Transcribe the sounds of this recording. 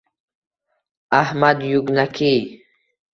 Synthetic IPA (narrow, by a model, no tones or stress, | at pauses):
ahmad̪jʊknakʰiː